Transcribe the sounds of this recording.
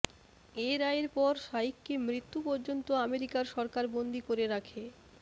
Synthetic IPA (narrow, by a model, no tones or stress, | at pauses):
eɾaeɾpɔɾʃaikːemɾit̪ːupɔɾd͡ʑont̪oameɾikaɾʃɔɾkaɾbond̪ikoɾeɾakʰe